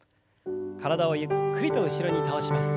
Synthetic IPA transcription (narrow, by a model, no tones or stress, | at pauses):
kaɾadawaikʰɯɾitʰʌɡɯɕʰiɾʌɲit̪aʌɕʰimas